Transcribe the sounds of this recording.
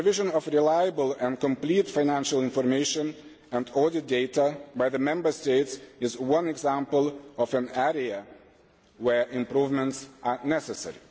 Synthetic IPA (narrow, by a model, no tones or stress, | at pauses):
ɨvɪʒə̃nɔvɹilajəbəlˠɛ̃nkɔ̃mplitfaɪnæ̃nʃəlˠɪ̃nfɔɹmeɪʃə̃n | æ̃ndɔdɨt̚deɪtəbaɪðəmɛ̃mbə˞steɪtsɪzwʌ̃nɛɡzæ̃mpəl̩ˠɔfə̃nɛɹiə | wɛ˞ʔɪ̃mpɾuvmə̃ntsʔanɛsɛsɛ̰ɹi